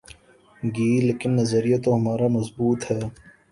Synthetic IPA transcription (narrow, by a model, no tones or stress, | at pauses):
ɡiːleːkɪnːɐzəɾijat̪oɦɐmaːɾamɐzbuːt̪hɛː